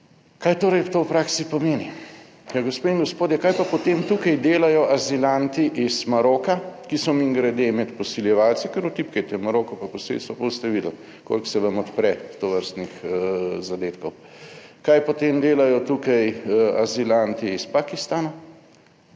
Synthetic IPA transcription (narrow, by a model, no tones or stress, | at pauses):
kaːjt̪oːɾɐjt̪owpɾaksipɔmeːni | jaɡospeːiŋɡɔspoːd̪jɛkajpapɔt̪emt̪ukɐjd̪eːlajɔʔazilant̪iʔizmaɾoːkakisɔmiŋɡɾad̪emɛt̪pɔsiljɛʋaːlsɛkəɾut̪ipkɛjt̪ɛmaɾokɔpapɔsḛlst̪ʋapost̪ɛʋiːd̪əl | ko̰lksɛʋɐmɔt̪pɾɛt̪oʋəɾst̪nixzad̪eːt̪kɔwkajpɔt̪emd̪eːlajɔt̪ukɐja̰zilant̪iːspakist̪aːna